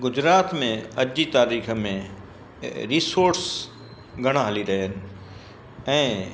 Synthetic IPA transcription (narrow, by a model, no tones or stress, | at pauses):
ɡʊd͡ʑɾaːt̪mẽɐd͡ʑit̪aːɾiːxmẽ | ɾiːsoːɾɾs | ɡʱɐɽ̃aɦɐliɾɐɦənɪ̆ | ɛ̃ː